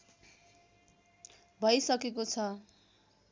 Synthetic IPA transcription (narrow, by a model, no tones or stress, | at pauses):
bʱʌjsʌkekot͡sʰʌ